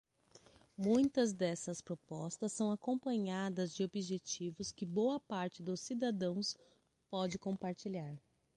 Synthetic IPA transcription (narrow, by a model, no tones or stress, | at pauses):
mũj̃t̪ɐzd̪ɛsɐspɾopɔst̪ɐsːɐ̃w̃akõpɐ̃ɲad̪ɐzd͡ʒɪobiʒet͡ʃivʊskɪbowɐpaɾt͡ʃɪd̪ʊsːid̪ad̪ɐ̃w̃s | pɔd͡ʒɪkõpaɾt͡ʃiʎaɾ